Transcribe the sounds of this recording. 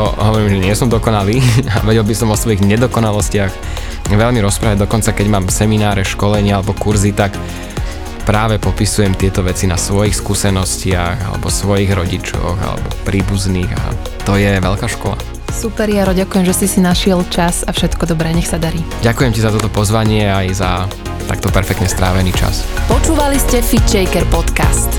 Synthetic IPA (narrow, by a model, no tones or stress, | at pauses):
ɔɦɔʋɔɾiːmʒɛɲɪɛsɔmd̪ɔkɔnaliːa̰ʋɛɟɛlbisɔmɔsʋɔjiɣɲɛd̪ɔkɔnalɔscɪax | ʋɛlmiɾɔspɾaːʋaɟ̚d̪ɔkɔnt͡sakɛɟmaːmsɛminaːɾɛʃkɔlɛɲɪaalɛbɔkuɾzit̪ak | pɾaːʋɛpɔpisujɛmt̪ɪɛt̪ɔʋɛt͡sina̰sʋɔjixskuːsɛnɔscɪaɣa̰lɛ̰bɔsʋɔjiɣɾɔɟit͡ʃɔ̰ɣa̰lɛ̰bɔpɾiːbuzniːɣa̰ | t̪ɔjɛʋɛʎkaːʃkɔla̰ | supɛɾjaɾɔɟakujɛmʒɛsisinaʃɪɛlt͡ʃasafʃɛt̪kɔd̪ɔbɾɛːɲɛxsad̪aɾiːɟakujɛmcizat̪ɔt̪ɔpɔzʋaɲɪɛajza | t̪a̰kt̪ɔpɛɾfɛkt̪ɲɛst̪ɾaːʋɛniːt͡ʃa̰spɔt͡ʃuːʋaliscɛfit͡ʃɛjkɛɾpɔt̪ka̰st̪